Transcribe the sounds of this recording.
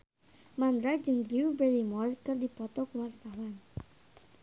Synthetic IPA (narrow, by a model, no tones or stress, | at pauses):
mand̪ɾad͡ʒəŋd̪ɾiubɛɾimɔrkɨrdipɔt̪ɔkwart̪awan